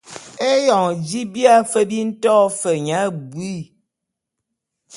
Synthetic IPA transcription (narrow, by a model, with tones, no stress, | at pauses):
e˦jɔ˨ŋd͡ʒi˦bja˦fə˦bi˦n̩˦tɔ˦fə˨ɲa˨˦˨bwi˦˨